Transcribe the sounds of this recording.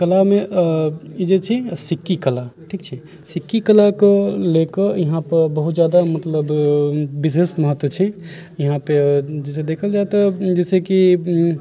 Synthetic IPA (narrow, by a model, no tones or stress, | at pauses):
kəlame | id͡ʒet͡ʃʰisikːikəlaʈʰikt͡ʃʰi | sikːikəlakelekəjɐɦãpəɾbəɦut̪d͡ʒjad̪amət̪ləbbisesməɦət̪ːwət͡ʃʰi | jɐɦãped͡ʒɛs̬ed̪ekʰəld͡ʒaet̪ɔd͡ʒɛseki